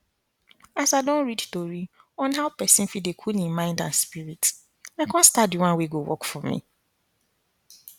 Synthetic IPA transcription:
asaɪdɔ̃nɹidstoɹi | ɔ̃nɦaʊpɛsĩn̩fit̚dekʰulĩnmãɪ̃ndã̰nspiɹit | laɪkɔ̃nstatdiwãnweɡowɔ̰kfɔmḭ

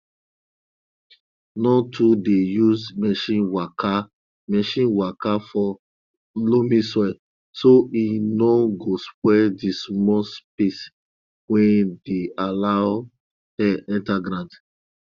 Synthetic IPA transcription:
nɔ̃tʰudejuzmɛʃĩwaka | mɛʃĩnwakafɔ | lomĩsɔ | soinɔ̃ɡospwɛdismɔspes | wɛ̃ndealaʊ | hɛʔɛ̃ntaɡɾãnt

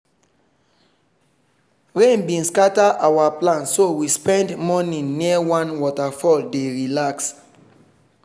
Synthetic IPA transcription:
ɹẽnbĩnskataʔawaplãnsowispɛ̃ndmɔnĩniəwãnwɔtafɔldeɹilaks

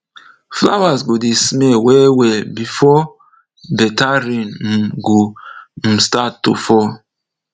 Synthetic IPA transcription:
fla̰wasɡodismɛwɛwɛbifɔ | bɛtaɹĩn̩ɡo | statːufɔ

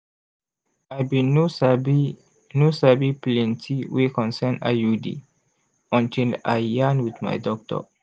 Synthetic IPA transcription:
ajbinusbi | nusabiplĩntʰiwikɔ̃nsɛna̰judḭ | ɔ̃ntʰila̰janwid̪ma̰jdɔk̚tɔ̰

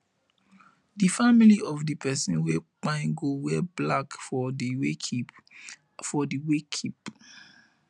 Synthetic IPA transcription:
difamiliɔvdipʰɛsĩnwɛb̥ãɪ̃ɡowɛblakfɔdiwekʰip | fɔdiwekʰip

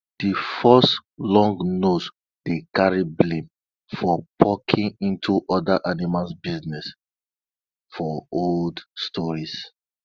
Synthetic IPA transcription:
d̥ifɔstlɔ̃ŋɡnot | d̥ekaɹiblẽm | fɔpʰɔkʰĩŋĩntʰuʔɔdaʔanimasbiznɛs | fɔoldstʰɔɹis

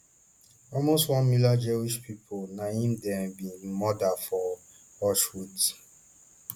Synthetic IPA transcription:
ɔlmostwɔ̃nmilad͡ʒewiʃpʰipʰonaĩndɛ̃mbĩmɔdafɔ | ɔʃwut

